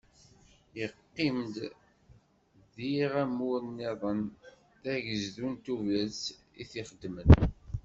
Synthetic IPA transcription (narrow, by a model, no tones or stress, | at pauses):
jəqːimd̪ | ðiʁæmunːiðˤən | θæʝəzðunt̪uvæt͡s | ḭθiχəd̪ːmən